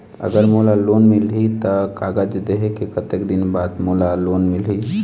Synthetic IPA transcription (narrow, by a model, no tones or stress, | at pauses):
ə̰ɡəɾmolalonmilɦit̪əkaɡəd͡ʒd̪eɦekekət̪ekd̪inbad̪molalonmilɦi